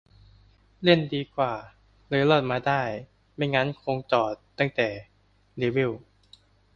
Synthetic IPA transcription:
le˥˩əndiː˧kʰwaː˨˩ | lɯː˧˦lɔ˧˥˩t̪̚maː˧daː˥˩j | ma˥˩jŋa˦˥˨nkʰo˧ŋt͡ɕɔː˨˩t̪ːa˥˩ŋt̪ɛː˨˩ | le˧˩wi˥˩w

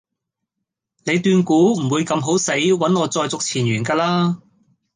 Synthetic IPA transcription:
ne˨˧jt̪yː˧nkuː˨˥m̩˨˩wuː˨˧jkɐ˧mɦo˨˥wse˨˥jwɐ˨˥nŋɔː˨˧t͡sɔː˧jt͡sʊ˨k̚t͡sʰiː˨˩nɥyː˨˩nkaː˧laː˥

